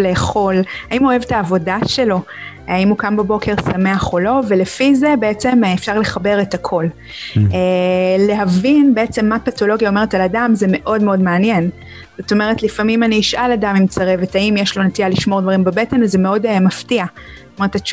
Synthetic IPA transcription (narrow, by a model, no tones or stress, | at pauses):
leːχo̞laimuoevetaːvo̞daʃe̞lo̞ | aimukambebo̞kʰe̞ʁsame̞aχolo̞ve̞lefize̞beet͡se̞mefʃaʁle̞χabe̞ʁetakʰo̞l | ele̞ɦavinbe̞et͡se̞mːapato̞lo̞ɡiaome̞ʁetaladamzeme̞ʔo̞dmeo̞dmeanjen | z̥o̞t̪o̞me̞ʁ̞etlifamimaniːiʃʔaladamimt͡saʁevetaimjeʃlo̞netialiʃmo̞ʁdvaʁimbebetenazemeo̞dmaftiatoetat͡ʃ